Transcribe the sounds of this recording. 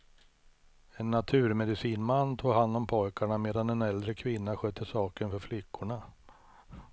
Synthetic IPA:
ɛnːat̪ʰʉ̟ːɾmɛd̪ɪsiːnmanːt̪ʰuːɡɦand̪ɔmpʰɔjkaɳameːd̪anɛnɛld̪ɾəkʰvɪnːaɧøt̪ʰːəsɑːkənfœɾflɪkːʊɳa

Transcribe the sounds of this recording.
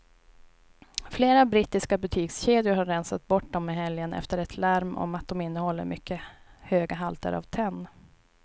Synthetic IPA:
fleːɾabɾit̪ːɪskabɵt̪ʰiːksɕeːd̪jəɾhaɾːɛnsat̪̚bɔʈ̚ːd̪ɔmːɪɦɛljənɛ̰ft̪əɾɛt̪ʰlæɾmʔɔ̰mat̪̚d̪ɔmɪnːəhɔl̪ːə̰ɾmʏkːəhøːɡaɦalt̪ə̰ɾa̰vt̪ʰɛnː

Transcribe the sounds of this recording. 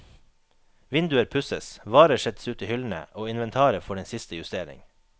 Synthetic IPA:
ʋɪnd̪ʉəɾpʰʉsəsʋɑːɾəʃɛt̪sʉːt̪iːhʏln̩ə̰ʔoːɪnʋɛnt̪ʰɑːɾəfɔɖɛnsɪst̪əjʉst̪eːɾɪ̰ŋ

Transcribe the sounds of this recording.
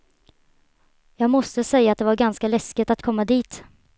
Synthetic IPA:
jɑːɡmɔst̪əsɛjːaːt̪̚d̪ɛvaɾɡanskalɛskɪt̪at̪kʰɔmːad̪iːt̪

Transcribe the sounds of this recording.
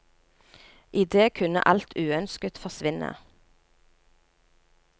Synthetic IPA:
ʔɪd̪eːkʰʉnə̰ʔɑlt̪ʰʉːœnskət̪fɔʁsʋɪnə̰

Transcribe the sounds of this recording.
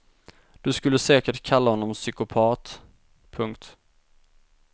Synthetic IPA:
d̪̥ɵskɵlːəsɛːkəʈkʰalːahɔnːɔmsʏkʊpʰɑːt̪ | pʰɵŋkt̪

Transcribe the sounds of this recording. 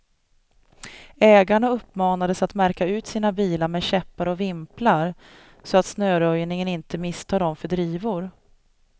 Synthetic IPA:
ɛːɡaɳaɵpːmɑːnad̪əsat̪mæɾkaʉ̟ːt̪siːnabiːlaɾmɛɕɛpːaɾɔvɪmplaɾ | sɔat̪snøːɾœjnɪŋənɪnt̪əmɪst̪ʰɑːɖ̪ɔmfœɖɾiːvʊɾ

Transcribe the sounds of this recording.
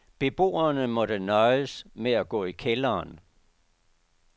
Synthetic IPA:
b̥e̝b̥o̝̰ːɐnəmɒ̽dənɒɪəsmeæɡ̥ɔ̰ːikʰelɐːn

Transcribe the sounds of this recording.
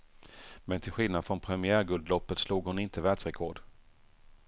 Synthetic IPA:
mɛnt̪ʰɪlɧɪlnad̪fɾɔnpʰɾɛmɪæːɾɡɵld̪lɔpːət̪sluːɡhʊnɪnt̪əvɛːd̪sɾɛkʰɔːɖ

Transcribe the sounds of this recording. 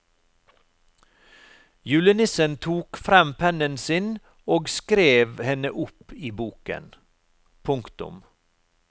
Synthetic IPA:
jʉːlənɪsənt̪ʰuːkfɾɑmpʰɛnənsɪn | oːɡskɾeːʋhɛnəʔʊpiːbuːkə̰n | pʰʊŋkt̪ʊ̰m

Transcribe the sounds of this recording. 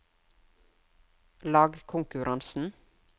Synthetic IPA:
lɑːɡkʰʊŋkʉɾʔɑnsn̩

